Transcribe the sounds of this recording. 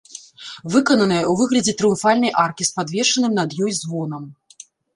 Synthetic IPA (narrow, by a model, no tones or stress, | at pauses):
vɨkɐnɐnɨjɐwvɨɣlʲɐd͡zʲɛt̪ɾɨjumfalʲnɐjʔarkʲispad̪vʲɛʂɐnɨmnɐd̪jɔjzvɔnɐm